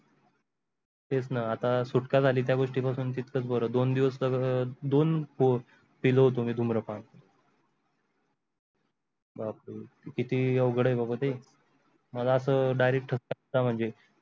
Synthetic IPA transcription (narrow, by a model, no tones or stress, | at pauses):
et͡snaat̪asuʈkad͡zʱaliːt̪̬jaɡoʂʈiːpasuːnt̪it̪kət͡sbəɾəːd̪ond̪iʋəsləɡəd̪onpu | piləɦot̪omiːd̪ʱumɾəpã | babe | kit̪iːəwɡʱɽəjbʱabat̪e | məlaəsəːɖajɾek̚ʈʰːəskat̪am̤əɳd͡ze